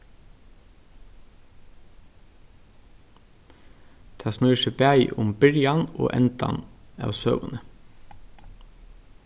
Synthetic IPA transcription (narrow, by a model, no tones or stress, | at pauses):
t̪ʰɑːsnʉːʃəpæɪʔʊmbɪɾjɑno̰ːʔɛnt̪ɑ̰nɑ̰ːʋsø̰ːʋʊnə